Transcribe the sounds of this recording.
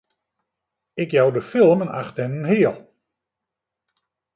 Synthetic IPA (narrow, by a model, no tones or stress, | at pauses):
ɪkjawdəfɪlˠməna̰χtɛnənɦɪəlˠ